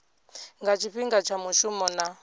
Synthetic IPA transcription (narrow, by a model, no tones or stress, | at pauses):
ŋɡat͡ʃʰiɸiŋɡat͡ʃʰamuʃumɔna